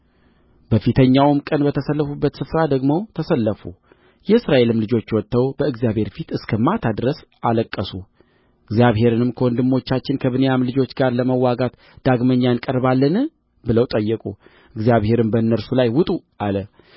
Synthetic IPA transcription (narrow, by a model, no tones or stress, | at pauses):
bəfit̪ʰəɲːawmkʼənbət̪ʰəsəlːəfubːət̪sɨfɾad̪əɡmo̞t̪ʰəsəlːəfu | jɛɨsɾaʔe̞lɨmlɨd͡ʒo̞t͡ʃːwɔt̪ːəwbəɨɡzjaβhe̞ɾfit̪ɨskʰəmat̪ʰad̪ɾəsaləkʼːəsu | ʔɨɡzijaβɦe̞ɾɨnɨmkʰəwɔnd̪ɨmːo̞t͡ʃːat͡ʃːɪnkʰəβɨnəjamlɨd͡ʒo̞t͡ʃːɡaɾləməwːaɡat̪ | d̪̥aɡməɲːaɨnkʼəɾbalːənɨ | bɨləwt̪ʼəjːɨkʼu | ʔɨɡzijaβhe̞ɾɨmbənːəɾsulajwʊt̪ʼu | ʔalə